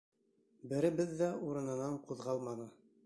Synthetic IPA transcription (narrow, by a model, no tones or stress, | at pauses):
bɘ̆ɾɘ̆bɘðːæuɾɤ̆nɤ̆nɑɴquðʁɑlˠmɑnɤ